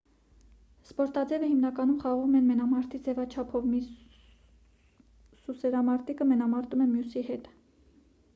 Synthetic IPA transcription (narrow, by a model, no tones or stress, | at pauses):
spɔɾt̪ɑd͡zɛvəhimnɑkɑnumχɑʁumɛnmɛnɑmɑɾt̪id͡zɛvɑt͡ʃʰɑpʰɔvmi | susɛɾɑmɑɾt̪ikəmɛnɑmɑɾt̪umɛmjusihɛt̪